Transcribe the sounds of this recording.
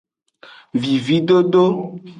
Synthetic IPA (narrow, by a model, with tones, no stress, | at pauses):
vi˨vi˨˦ɖo˦ɖo˦